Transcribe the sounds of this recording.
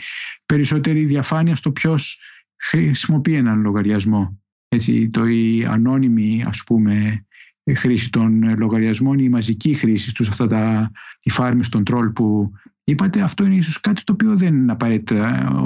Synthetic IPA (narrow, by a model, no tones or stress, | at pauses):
pe̞ɾiso̞t̪e̞ɾiðiɐfɐniɐst̪o̞pço̞s | xɾiɾisimo̞pienɐnlo̞ɣɐɾʝɐzmo̞ | e̞t͡sḭt̪oiɐ̰no̞nimiɐ̰spume̞ | xɾisit̪o̞nlo̞ɣɐɾʝɐzmo̞nimɐzicixɾisist̪usɐft̪ɐt̪ɐt̪ifɐɾmist̪o̞nt̪ɾo̞lpu | ipɐt̪e̞ɐft̪o̞ineisoskɐt̪i̥t̪oːpio̞ðenɐpɐɾe̞t̪i̥t̪ɐ